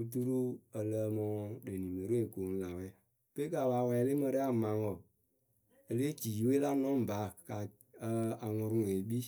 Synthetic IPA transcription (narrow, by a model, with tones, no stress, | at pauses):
u˧t̬u˦ɾu˦ə˨ləː˧˦mɔ̃˧ɔ̃˧ɗe˨nĩ˨me˨ɾe˦˨koː˨˦n̩˦la˨wɛ˨˦ | pe˦ka˨waː˨˦wɛ˧˨˧le˦mə̃˧ɾɛ˦a˨mã˨˦ŋɔ˨ | e˧leː˦d͡ʒiː˨we˦la˦nɔ̃˦m˨ba˨˦˨ka˨ | ə˧˦a˨ŋɔ̃˧ɾũ˦we˨˦ɓi˦